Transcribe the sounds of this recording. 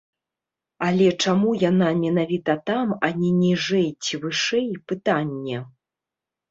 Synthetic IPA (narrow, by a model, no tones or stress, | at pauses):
alʲɛt͡ʂamujanamʲɛnavʲit̪ɐt̪amanʲinʲiʐɛjt͡sʲivɨʂɛjpɨt̪anʲːɛ